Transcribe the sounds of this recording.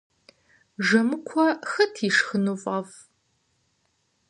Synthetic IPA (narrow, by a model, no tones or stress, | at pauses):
ʐɨmɨkʷʰɔxɨtʰiːʂxɨnufʼɐv